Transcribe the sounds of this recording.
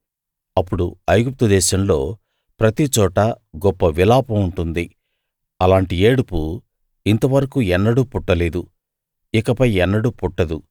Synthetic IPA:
ɐpːuɽṵɐjɡup̚t̪ud̪ɛːʃɐmlo̞̰ː | pɾɐt̪it͡ʃɔːʈɐ | ɡɔpːɐʋilaːpɐmuɳʈund̪i | ɐlaːɳʈieːɽupu | int̪ɐʋɐɾɐkuɛnːɐɽupuʈːɐle̞ːd̪u | ikɐpɐjɛnːɐɽupuʈːɐd̪u

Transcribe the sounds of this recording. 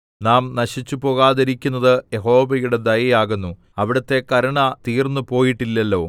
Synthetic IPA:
naːmnɐɕit͡ɕːupo̞ːɣaːðɐɾikʲːunːɐðɨjeɦo̞ːʋɐjuɽe̞d̪ɐjɐjaːɣunːu | ɐʋiɽɐt̪ːe̞kɐɾɐɳɐt̪iːrnːupo̞ːjiʈːilːɐlːo̞ː

